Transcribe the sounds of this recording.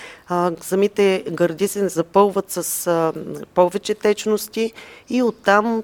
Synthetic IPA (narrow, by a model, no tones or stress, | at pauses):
sɐmit̪ɛɡɐɾd̪ʲisɛnzɐpɤlˠvət̪sɐs | pɔvɛt͡ʃɛt̪ɛt͡ʃnost̪ʲiːot̪ːam